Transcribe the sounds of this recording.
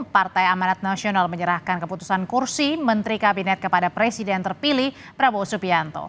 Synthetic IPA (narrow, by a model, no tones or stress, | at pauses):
part̪ajamanat̪̚nasionalməɲəɾahkankəput̪u̥sankursimənt̪ɾikabinɛt̪̚kəpadapɾɛsidɛnt̪ərpilih | pɾabosupiant̪o̰